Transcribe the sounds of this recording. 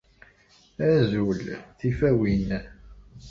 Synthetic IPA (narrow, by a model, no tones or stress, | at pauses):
æzulθifæwin